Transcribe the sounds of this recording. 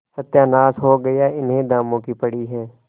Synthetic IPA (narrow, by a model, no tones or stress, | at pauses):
sət̪jaːnaːsɦoːɡəjaɪnɦẽd̪aːmõːkipəɽiːɦɛː